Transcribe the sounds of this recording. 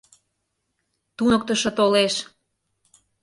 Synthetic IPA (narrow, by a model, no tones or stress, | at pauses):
t̪unək̚t̪əʃɤ̆t̪oleʃ